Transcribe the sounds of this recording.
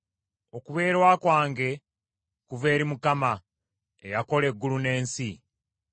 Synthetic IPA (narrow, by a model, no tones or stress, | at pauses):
o̞kuβe̞ːɾwaːkwaːŋɡe̞ | kuve̞ːɾimukama | ḛjako̞le̞ɡːulune̞ːnsi